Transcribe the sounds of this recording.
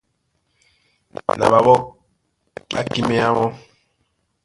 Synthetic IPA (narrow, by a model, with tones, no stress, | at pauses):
na̰˨βa˨βɔ˦ | ɓa̰˦ki˦mɛ˦a˦wɔ˦